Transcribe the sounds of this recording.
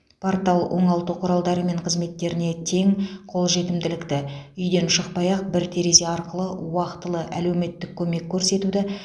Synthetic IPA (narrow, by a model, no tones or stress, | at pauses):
pʰoɾt̪ɑlˠʔo̞̰ɴɑlˠt̪əqʰʊɾɑlˠd̪ɑɾəme̞ɴqʰəzme̞t̪ːe̞ɾɪne̞t̪ʰe̞ŋqʰo̞lˠʒe̞t̪ɪmd̪ɪlɪkt̪ɪʏjd̪e̞nʃəq̚pɑjɑq̚bɪɾt̪ʰe̞ɾe̞ze̞ɑɾqəlˠəʊwɑqt̪əlˠəʔæle̞wme̞t̪ːɪkʲʰːɵme̞kʲʰːɵɾse̞t̪ud̪ɪ